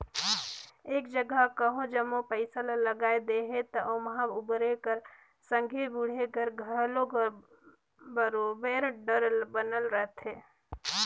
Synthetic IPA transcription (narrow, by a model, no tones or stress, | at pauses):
eːkd͡ʒəɡəakəɦõd͡ʒəmopəɪsalaləɡaːed̪eɦet̪ɔʔomɦabubɾekəɾ | sə̃ŋɡʱiɾbuɽ̤ekəɾɡʱəɾloə | bəɾobeɾɖəɾbənəlɾəɦt̪ʰɦeː